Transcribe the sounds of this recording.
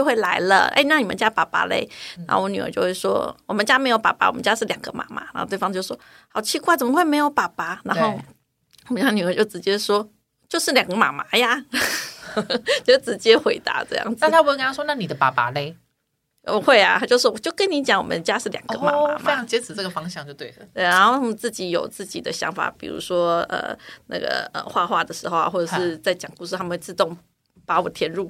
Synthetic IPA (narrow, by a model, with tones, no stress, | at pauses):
t͡ɕjʊxwe˥˩ɪla˧˥ɪlə̰˧ḛ˥˧ɪna˥˩ni˨˩ə̰˦nt͡ɕja˥pa˨˩pa̰˧˥lḛ˥˩ɪna̰˧˥xo̰˥˧˩wɔ˧˥ny˨˩ə̰˧˥t͡ɕjo˥˧ʊxwe˥˩ʂwɔ̰˥wɔ˨˩mə˦nt͡ɕja˥me˧˥ɪjo˧˥ʊpa̰˨˩pa̰˧˥˩wɔ˨˩mə˦t͡ɕja˥ʂɻ̩˥˩ljɑ˨˩ŋɡ̥ə̰˧˦ma̰˧˩ma̰˧˥na˧˥xo˥˧t̪wɑ˥˧˥t͡ɕo˥˧˩ʂwɔ˥ | xɑ˨˩ʊt͡ɕʰi˥kwa˥˩t͡sə˨˩mə˦xwe˥˩ɪme˧˥ɪjo˧˥ʊpa˨˩pa˨˩na˧˥nxo˥˩ʊ˨˩ | ə˦˥˩ny˨˩ə˧˥t͡ɕo˥˩ʊʈ͡ʂɻ̩˧˥t͡ɕjɛ˥ʂwɔ˥ | t͡ɕjo˥˧ʊʂɻ̩˥˩ljɑ˨˩ŋɡə˦ma̰˨˩ma˧˥ja˧˨ | t͡ɕo˥˩ʈ͡ʂɻ̩˧˥t͡ɕjɛ˥xwe˧˥ɪt̪a̰˧˥ʈ͡ʂɤ̰˥˧jɑ̰˥˩ŋt͡sa˥˨˥a˥pu˧˥˧knɑ˥˧˩ʂwɔ˥na˥˩ni˨d̪ə˦pa˨˥pa̰˨˩le˧˥ɪ | ə˧xwe˥˩ɪa˩t̪ʰa˥t͡ɕjo˥˧ʂ̩˥˩wɔ˨˩t͡ɕjo˥˩ʊkə˥ni˧˥t͡ɕjɑ˧˥ŋwɔ˨˩mə˦nə˧t͡ɕja˥ʂɻ̩˥˩ljɑ˨˩ŋɡə̰˧˦ma˨a˧˦mea˦ɪjʰɑ˧˥ŋt͡ɕjɛ˧˥t͡sɹ̩˨˩ʈ͡ʂɤ˥˩ɡə˩fɑ˥ŋɕjɑ˥˧ŋt͡ɕjo˥˧ʊt̪we˥˩ɪlə˨˩e˥˩ɪɻa˧˥nxo˥˩ʊt̪ʰa˥mə˧nt͡sɹ̩˥˩t͡ɕi˧˥jo˨˩ʊt͡sɹ̩˥˩t͡ɕḭ˨˩d̪ə˦ɕjɑ̰˧˥ŋfa̰˨˩pḭ˨˩ɻṵ˧˥ʂwɔ˥ə̰˨˩na̰˥˩ɡə̰˩ə̰˨˩xwa˥˧xwa˥˩d̪ə˩ʂɻ̩˧˥xo˧ʊa̰˨˧xwɔ˥˩ʈ͡ʂɤ˨˩ʂɻ̩˩˥˩t͡sa˥˩ɪt͡ɕjɑ˨˩ŋku˥˧ʂ̬ɻ̩ʰ˥˩a˥mə˨˩t͡sɹ̩˥˧t̪ʊ˥˩ŋ | pa˧˥wɔ˨˩t̪ʰjɛ˧˥nɻu˥˩